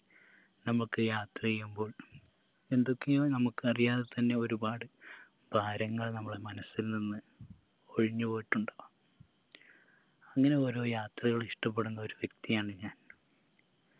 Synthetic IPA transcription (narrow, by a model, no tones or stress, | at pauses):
nɐmːukːɨjaːt̪rɐejːumbo̞ːɭ | e̞nd̪o̞kːe̞joːnɐmukːɨɐrijaːðet̪ɐnːe̞o̞ɾubaːɽɨ | b̥ʱaːɾɐŋːɐɭnɐmːɐɭemɐnɐsːilninːɨ | oɻiɲːɨpo̞ːjiʈːuɳɖa | ɐŋːɐne̞o̞ːɾo̞ːjaːt̪rɐɣɐɭiʂʈɐp̬ːe̞ɽunːɐo̞ɾuʋjek̚t̪ijaːɳɨɲaːn